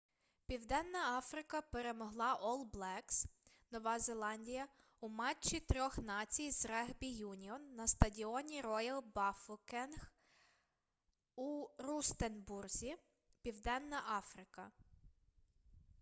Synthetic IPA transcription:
pʲiwd̪ɛnːɐɑfɾɪkɐpeɾemɔɦlˠɑʔɔlˠblˠɛks | nɔʋɑzelˠɑnʲdʲijɐ | umɑt͡ʃt͡ʃːit̪ɾʲɔxnɑt͡sʲijzrɛɦbʲijunʲiɔnːɐst̪ɐdʲiɔnʲiɾɔjɐlˠbɑfʊkɛnx | urust̪enburzʲi | pʲiwd̪ɛnːɐʔɑfɾɪkɐ

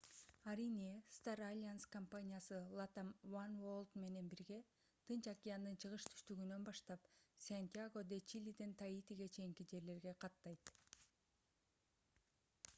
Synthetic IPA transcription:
aɾinʲist̪aralʲanskompanʲijasɯlˠat̪amvanvolˠt̪me̞ne̞nbiɾɡe̞ | t̪ʰɯnt͡ʃakʲijand̪ɯnt͡ʃʰɯʁɯʃt̪ʰy̥st̪yɡynø̞nbɑʃt̪ɑpsʲenʲt̪ʲijaɡo̞d̪et͡ʃilʲid̪int̪ʰait̪iɡe̞t͡ʃʰe̞jiŋkid͡ʒe̞ɾle̞ɾɡe̞qʰɑt̪ːɑjt̪

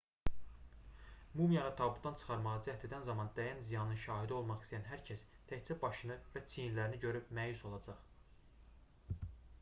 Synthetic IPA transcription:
mumijɑnɯt̪ʰɑbud̪ɑnt͡ʃʰɯ̥χɑɾmɑʁɑd͡ʒ̪iæt̪ʰe̞d̪ænzɑmɑnd̪æjænzijɑnɯnʃɑːɦid̪æo̞lˠmɑχist̪ijænɦæɾcʰæs | t̪ʰæçt͡sæbɑʃɯnɯvæt͡sʰijinlæɾiniɟø̞ɾypmæjuso̞lˠɑd͡ʒɑχ

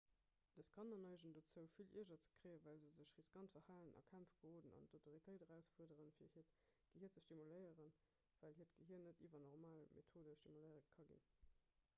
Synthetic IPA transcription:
d̥əskʰɑnɐnɑɪʒəndot͡səʊfilḭɐʒɐt͡sə̥kʁ̥əɪəvæːlzəzəɕʁiskɑntfəhaːlənɑ̰kʰæmfɡ̥əhoːdənɑ̰ntʰotʰoʁitʰəɪtəʁæʊsfuədəʁənfiːɐhiəɐtɡ̥əhiət͡səʃtimuləɪəʁən | vælɦiətɡ̥əɦiɐnətivɐnɔʁmaːlmʔḛtʰoːdəʃtimuləɪəʁəkʰɑɡḭn

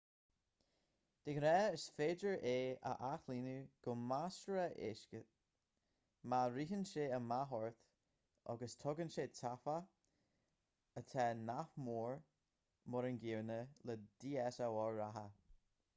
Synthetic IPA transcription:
d̪̥ɪɡɾɛəsfeːdəɹʔeːə̰ʔaxliːnuɡ̥ʊmasɹəʔɪ̰ʃkə | maɾiːɦənʃeːəmaɦɔɹθ | ɔ̰ɡəstʰɔɡənʃeːtʰafa | ət̪ʰɛnafmuːɹ | mɔɾənɡiːɹnələd̪̥iːɛsawɔɹɹaɦə

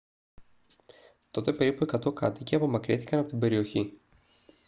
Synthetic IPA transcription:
t̪o̞t̪e̞pe̞ɾipue̞kɐt̪o̞kɐ̰t̪iceɐpo̞mɐkɾiθi̥kɐnɐpo̞t̪ibe̞ɾio̞çi

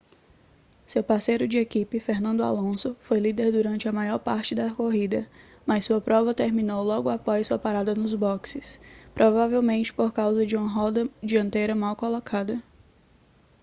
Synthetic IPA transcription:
sewpaɾsejɾʊd͡ʒɪekipɪfeɾnɐ̃nd̪ʊa̰lõsʊfojlid̪eɾd̪uɾɐ̃nt͡ʃɪɐmajɔɾpaɾt͡ʃɪd̪ɐkoɦid̪ɐ | mɐsːuɐpɾɔvɐt̪eɾmĩnowlɔɡʊapɔjsuɐpaɾad̪ɐnʊzbɔksɪspɾʔɔvavewmẽnt͡ʃɪ̥poɾkawzɐd͡ʒɪũmɐɦɔd̪ɐd͡ʒiɐ̃nt̪ejɾɐmawkolɔkʰad̪ɐ

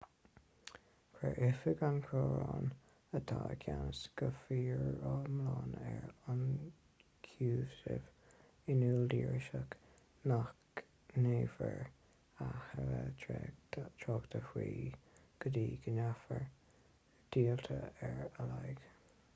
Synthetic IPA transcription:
kʰɾɛʔɪfəɡankʰɹoːɹɑːn | ət̪ʰaːkʰjansɡ̥əfiːɹɔmlɑːnɛɹan | kʰuːsɪv | ɪnuːld̪iːɹɪʃək | nak | neːvəɹ | ahəə | t̪ʰɾɔːɡt̪ʰəhwiːɡ̥əd̪iːɡənafəɹ | d̪̥iːlt̪ʰəɛɹalajɡ̥

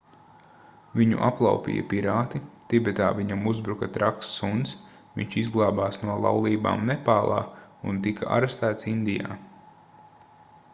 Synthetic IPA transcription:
viɲṵʔaplˠa̰wpḭːja̰piɾaːt̪it̪ibɛt̪aːviɲamuzbɾukɐt̪ɾaksːuns | ʋḭɲt͡ʃizɡlˠaːbaːsnuɔlˠa̰wlˠiːba̰ːmnɛpaːlˠʔɑ̰ːunt̪ikaʔa̰ɾɛst̪æːt̪sind̪ija̰ː

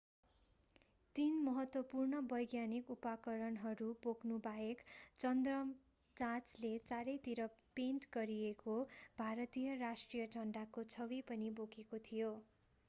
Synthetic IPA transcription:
t̪inmʌɦʌt̪wʌpurnʌbʌjɡjanikupakʌɾʌnɦʌɾuboknubaekt͡sʌnd̪rʌm | d͡zãt͡slet͡saɾʌjt̪iɾʌpenʈɡʌɾiekobʱaɾʌt̪ijʌrasʈrijʌʈʌɳɖakot͡sʰʌbipʌnibokekot̪ʰijo

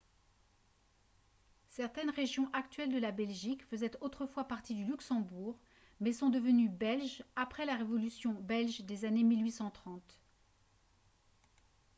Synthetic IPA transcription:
sɛʁt̪ɛnʁeʒjɔ̃ʔakt̪ɥɛld̪əlabɛlʒikfəzɛt̪ot̪χəfwapaʁt̪id̪ylyksɑ̃buʁ | mɛsɔ̃d̪əvənybɛlʒapχɛlaʁevɔlysjɔ̃bɛlʒd̪ezanemilɥisɑ̃t̪χɑ̃t̪

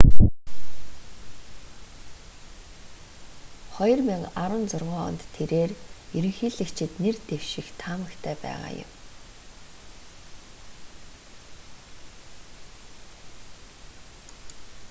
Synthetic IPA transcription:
χɔjɞrmiŋaɾə̆nt͡sʊrʁʊːɔ̰nt̪ʰːeɾeːrjɵɾɵ̆ŋxiːɮɘ̆kt͡ɕʰɪ̆t̪nert̪ew̥ʃɪ̆xt̪ʰaːmə̆kt̪ʰæːpæ̰ːʁa̰ːjʊ̰m

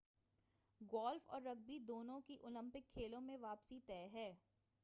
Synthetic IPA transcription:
ɡɔːlfɔ̰ːɾːɐɡ̚bid̪oːnõkiʔʊlə̃mpɪkʰːeːlõmẽʋaːpsit̪ɛːɦɛː

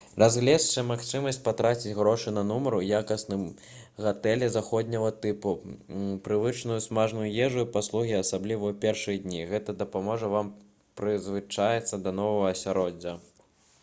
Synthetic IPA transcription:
razɣlʲɛst͡ʂɐmaxt͡ʂɨmɐsʲt͡sʲpat̪ɾat͡sʲit͡sʲɣɾɔʂɨnɐnɔmɐɾujakɐsnɨm | ɣat̪ɛlʲɛzaxɔd̪ʲnʲɐɣɐt̪ɨpupɾɨvɨt͡ʂnujusmaʐnujujɛʐuipaslˠuɣʲiɐsablʲivɐwpʲɛrʂɨjɐd̪ʲnʲiɣɛt̪ɐd̪ɐpamɔʐɐvam | pɾɨzvɨt͡ʂajɛt̪sːɐd̪ɐnɔvɐɣɐːsʲaɾɔdd͡zʲːɐ

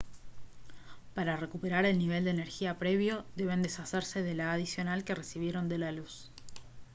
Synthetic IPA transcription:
paɾare̞kupe̞ɾaɾe̞lniβ̞e̞ld̪eːneɾxiapɾe̞βjo̞ðe̞β̞e̞nd̪e̞saseɾse̞ðe̞laːð̞isjo̞nalke̞resiβ̞je̞ɾo̞nd̪e̞lalus

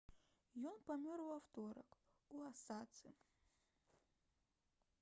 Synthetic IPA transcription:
jɔnpɐmʲorvɐft̪oɾɐk | uɐsat̪sɨ

